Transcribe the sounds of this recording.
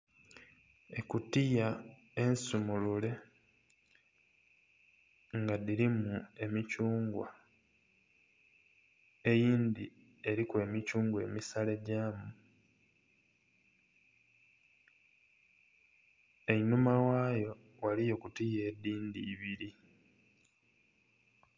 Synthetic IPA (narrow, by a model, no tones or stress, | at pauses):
e̞kutija | ensumulule̞ | ŋɡadiɾimue̞micuːŋɡwa̰ | ejiːnd̪i | e̞ɾikwe̞ːmicuːŋɡwe̞̰ːmisale̞ɟaːmu | einumawaːjo̞ | walijo̞kutije̞ːdiːndiːβiɾi